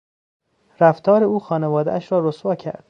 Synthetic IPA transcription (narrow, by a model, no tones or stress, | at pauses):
ɾæft̪ʰɒːɾeuːxɒːnevɒːd̪æ̰æʃɾɒːɾosvɒːcʰæ̰ɾd̪̥